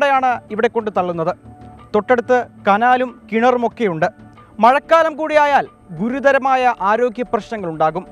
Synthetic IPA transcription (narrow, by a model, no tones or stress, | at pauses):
ɽejaːɳɨiʋiɽe̞kːo̞ɳɖɨt̪ɐɭːunːɐðɨt̪o̞ʈːe̞ɽut̪ːɨkɐnaːlumkiɳɐrumo̞kːe̞juɳɖɨ | mɐɻɐkːaːlɐmkuːɽijaːjaːl | ɡuɾud̪ɐɾɐmaːjɐʔaːɾo̞ːɡjɐprɐɕnɐŋːɐɭuɳɖaːɣum